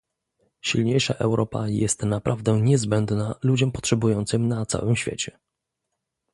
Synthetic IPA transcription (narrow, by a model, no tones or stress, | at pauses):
ɕilɲejʂaʔɛwɾʔɔpa̰jɛst̪napɾʔavd̪ɛɲɛzbɛnd̪nalud͡ʑɔmpɔtʂɛbujɔnt̪sɘmnat̪sa̰wɘmɕfʲjḛt͡ɕɛ